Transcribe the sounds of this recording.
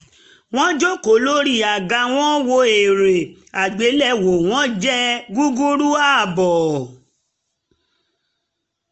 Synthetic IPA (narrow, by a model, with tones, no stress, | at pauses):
w̃ɔ̃˦d͡ʒo˦ko˨lo˦ɾi˦˨a˨ɡa˧w̃ɔ̃˦wo˧e˨ɾe˨ | a˨ɡ͡be˨˦lɛ˦wo˨w̃ɔ̃˦d͡ʒɛ˦ɡu˦ɡu˦ɾu˦a˦˨bɔ˨